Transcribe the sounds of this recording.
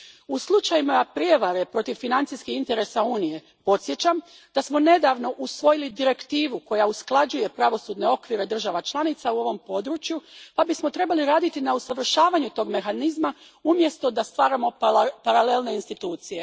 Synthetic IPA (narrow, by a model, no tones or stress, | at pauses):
uslˠut͡ʃajimapɾije̞ʋaɾe̞pɾo̞t̪iʋfinant̪iskihint̪eɾe̞sauːnije̞ | po̞t̪sje̞t͡ɕam | d̪̥asmo̞ne̞d̪aːʋno̞ʔusʋo̞jilid̪iɾe̞kt̪iːʋuko̞jausklˠad͡ʑuje̞pɾaʋo̞sud̪ne̞o̞kʋiɾe̞d̪r̩ʒaʋat͡ʃlˠanit̪sauo̞ʋo̞mpo̞d̪ɾut͡ʃjupabismo̞t̪ɾe̞baliɾaːd̪it̪inausaʋr̩ʃaːʋaɲut̪o̞ɡme̞xanizma | umje̞st̪o̞d̪ast̪ʋaːɾamo̞paɾale̞lˠne̞inst̪it̪uːt̪sije